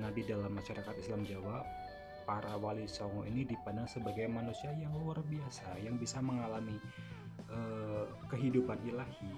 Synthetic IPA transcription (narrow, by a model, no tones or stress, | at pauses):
nadidalamːaʃaɾakat̪islamd͡ʒawaʔ | paɾawalisɔŋɔʔinidipanaŋsəbaɡajmanusiajaŋluarbiasajaŋbisaməŋalami | ʔə | kəɦidupanilahi